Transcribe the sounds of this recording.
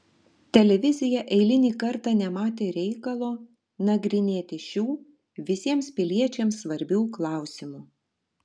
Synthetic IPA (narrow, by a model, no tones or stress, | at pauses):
t̪ʲɛlʲɛʋʲɪzʲɪjɛʔɛɪlʲɪnʲiːkɐɾt̪ɑːnʲɛmɑːt̪ʲeːɾʲɛɪkɐlˠoː | nɐɡɾʲɪnʲeːt̪ʲɪʃʲuː | ʋʲɪsʲiɛmspʲɪlʲiɛt͡ʃʲɛmsːʋɐɾʲbʲuːklˠɑˑʊsʲɪmuː